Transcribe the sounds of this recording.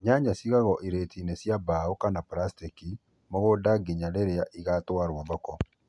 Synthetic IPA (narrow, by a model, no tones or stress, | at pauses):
ɲaːɲasiɣaɣɔʔiɾetʰiːnesjabaokanapɾastiki | mɔɣodaɡeɲaɾeɾeaʔiɣatwaɾwaβakɔ